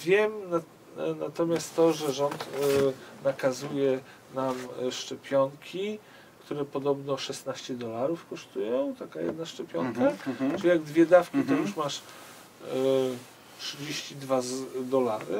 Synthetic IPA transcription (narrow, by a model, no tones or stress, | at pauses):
vʲjɛma | nat̪ɔmʲjast̪ːɔʐɛʐɔnt̪ | nakazujɛ | namʂt͡ʂɛpʲjɔŋkʲʰi | kt̪uɾɛpɔd̪ɔbnɔʂɛsnaɕt͡ɕɛd̪ɔlaɾufkɔʂt̪ujɔ̃w̃t̪akajɛ̰d̪naʂt͡ʂɛpʲjɔŋkaʈ͡ʂɨlʲijaɡd̪vʲjɛd̪afkʲit̪ɔjuʂmaʂ | tʂɘd͡ʑeɕt͡ɕid̪vazd̪ɔlaɾɘ̰